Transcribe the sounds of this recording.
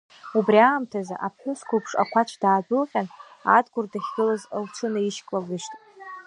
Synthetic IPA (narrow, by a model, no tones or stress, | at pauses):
ubriaːmtʰaza̰ʔapʰħʷʊskʷʰupʰʂa̰kʷʰat͡ʃʷʰdaːdʊlqʲʼana̰dɡʷʊrdaχʲɡɨlazlt͡ʃʷʰɨnaiʃkʼlaɡɨʃtʼ